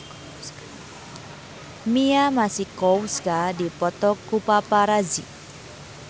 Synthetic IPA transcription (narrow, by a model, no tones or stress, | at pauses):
mijamasikɔwskadipɔt̪ɔkːupapaɾad͡zḭ